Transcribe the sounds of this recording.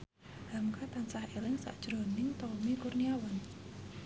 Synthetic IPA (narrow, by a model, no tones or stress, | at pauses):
hamkat̪ansahelɪŋsa̰ʔd̥ʒ̥ɾo̤nɪŋt̪ɔmikurniawan